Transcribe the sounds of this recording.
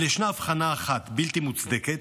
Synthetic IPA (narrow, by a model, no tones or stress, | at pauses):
leʃnaːfχanaːχat̪bilt̪imut͡sd̪eket̪